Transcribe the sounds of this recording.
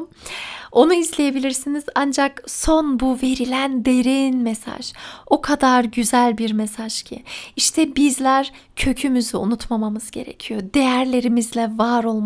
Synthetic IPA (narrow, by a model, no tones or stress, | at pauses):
o̞nuizlʲe̞je̞bilʲiɾsiniz̥and͡ʒakso̞nbuve̞ɾilʲænd̪e̞ɾinmesa̰ʒ̥okʰad̪aɾɟyzælʲbiɾme̞saʒcʰḭiʃt̪ʰɛbizlʲæɾ | cʰø̞cʰymyzyṵnut̪mamamɯzɟe̞̰ɾe̞̰cʰijod̪e̞jæɾlʲe̞ɾimizlʲɛvaɾo̞lˠm